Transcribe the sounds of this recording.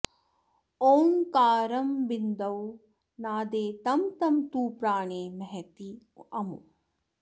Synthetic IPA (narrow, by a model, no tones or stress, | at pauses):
oːŋkaːɾɐmbind̪ɐw | naːd̪eːt̪ɐmt̪ɐmt̪uːpɾaːɳeːmɐɦet̪i | ɐmṵ